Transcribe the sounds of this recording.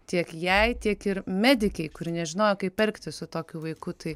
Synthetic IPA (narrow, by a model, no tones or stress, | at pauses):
t̪ʲiɛkjɛɪt̪ʲiɛkɪɾmʲæːd̪ʲɪkʲɛɪkʊɾʲɪnʲɛʒʲɪnoːjoːkɐɪppʲpʲɛlʲkt̪ʲɪsʊt̪oːkʲuʋɐɪkʊt̪ɐɪ